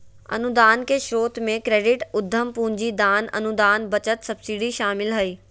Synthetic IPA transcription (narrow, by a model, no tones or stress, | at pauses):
ɐ̰nud̪aːnkʰeːʃoːt̪mẽkɾeːɖɪʈʊd̪ʱːəmpʊ̃ɦɲd͡ʑid̪aːnɐ̰nud̪aːnbɐt͡ɕət̪sɐbsiːɖiʃaːmɪlɦɐiː